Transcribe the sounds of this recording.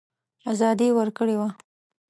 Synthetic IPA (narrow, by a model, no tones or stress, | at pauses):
azɑd̪iwəɾkəɽewa